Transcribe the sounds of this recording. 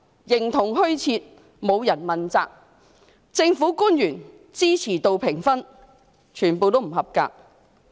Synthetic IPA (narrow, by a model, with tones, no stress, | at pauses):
jɪ˨˩ŋt̪ʰʊ˨˩ŋɦɵ˥ɥt͡sʰiː˧t̚ | mo˨˧wjɐ˨˩nmɐ˨nt͡sa̰ː˧k̚ | t͡sɪ˧ŋfuː˨˥kuː˥njyː˨˩n | t͡siː˥t͡sʰiː˨˩t̪o˨˧wpʰɪ˨˩ŋfɐ˥n | t͡ʃʰyː˨˩npo˨˧wt̪o˥wm̩˨˩hɐ˨p̚ka̰ː˧k̚